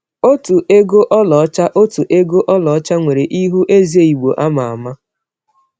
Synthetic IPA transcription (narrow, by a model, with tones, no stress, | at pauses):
o˦tu˨ʔe˦ɡo˦ʔɔ˦lɔ˨˦t͡ʃa˦ʔo˦tu˨ʔe˦ɡo˦ʔɔ˦lɔ˨ɔ˦t͡ʃa˦ŋʷe˨ɾe˨ʔi˦ɦu˦ʔe˦zi˨˦e˦i˨ɡ͡bo˨ʔa˦ma˨a̰˨ma˦